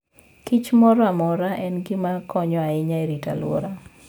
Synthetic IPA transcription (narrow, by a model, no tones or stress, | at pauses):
kɪt͡ʃmɔɾɔamɔɾaʔɛnɡɪmakʰɔɲɔaɪɲaeɾita̰lwo̰ɾa